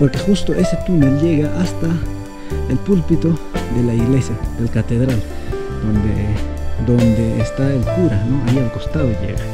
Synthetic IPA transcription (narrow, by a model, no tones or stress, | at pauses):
poɾkexust̪oʔeset̪uneljeɣaʔast̪a | elpulpit̪od̪elaiɣlesjad̪elkat̪eðɾal | d̪̥ond̪ed̪ond̪eːst̪aelkuɾanoajielkost̪aðoʎḛɣa